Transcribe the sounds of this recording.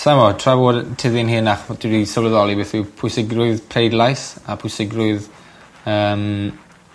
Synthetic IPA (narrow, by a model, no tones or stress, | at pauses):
sajmɔtʰravoːdtʰɪðɪnɦɪnaχd̥ɪɾisəvləðɔlˠibɪːθɪpʰʊjsɪɡrʊɨðpʰrejdlˠajsapʰʊsɪɡrʊɨð | əːm